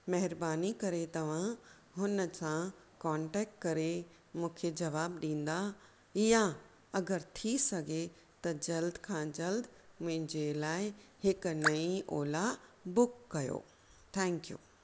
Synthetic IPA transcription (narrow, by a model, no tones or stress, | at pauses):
mɐɦɪɾbaːnikɐɾet̪ɐʋ̤ã | ɦʊnəsã | kãːɳʈɛːk̚ʈ̚kɐɾe | mũːkʰed͡ʑɐʋaːbɗĩːn̆d̪a | ɪjã | ɐɡəɾt̪ʰisɐɡʱe | t̪ɐd͡ʑɐld̪ʱkʰãd͡ʑɐld̪ʱmʊ̃ɦɪ̃ɲd͡ʑelaːɪhɪknɐĩʔoːlabʊkːɐjo̰ː | t̪ʰɛ̃ːŋkijṵː